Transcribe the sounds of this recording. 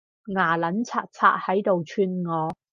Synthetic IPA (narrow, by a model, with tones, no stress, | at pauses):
ŋaː˨˩lɐ˨˥nt͡sʰaː˧k̚t͡sʰa̰ː˧t̚hɐ˨˥jt̪o˨wt͡ʃʰyː˧nŋɔː˨˧